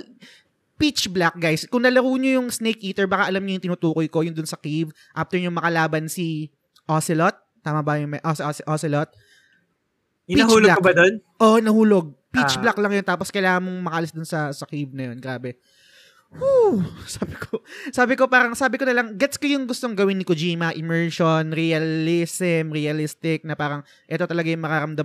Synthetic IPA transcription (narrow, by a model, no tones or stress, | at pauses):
pit͡ʃblak̚ɡajskʊŋnɐlɐɾuːɲojʊŋsnejkʔiːt̪ɛɹbɐkaʔɐlamɲojʊŋt̪ɪnut̪uːkojko̞jʊnd̪ʊnsɐkiv | ʔaːft̪ɛɹɲʊŋmɐkɐlaːbɐnsi | ʔosɪlot̪̚ːaːmɐbɐjʊŋmɛʔossʔosɪlot̪̚ | pihuːloɡakbɐd̪onʔonɐhuːloɡ̚pit͡ʃblaklɐŋjont̪aːposkɐjlaːŋɐnmoŋmɐkɐʔɐlɪsd̪ʊnsɐsɐkib̚nɐjonɡɾaːbɛ | husaːbɪkosaːbɪko̞paːɾɐŋsaːbɪkonɐlɐŋɡɛt̪skɐjʊŋɡʊst̪oŋɡɐwɪnːɪkʊd͡ʒiːmɐʔɪmɛɹʃonɾiɐlɪsɛmɾiɐlɪst̪ɪk̚nɐpaːɾɐŋ | ʔɛt̪o̞t̪ɐlɐɡajʊŋmɐkɐɾɐmd̪ɐ